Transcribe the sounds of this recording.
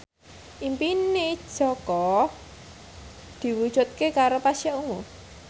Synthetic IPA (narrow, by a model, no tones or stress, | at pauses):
ʔimpine̥ʒ̥ɔkɔ | d̪̥i̤wud̥ʒ̥ṳt̪̚kekaɾopaʃaʔuŋu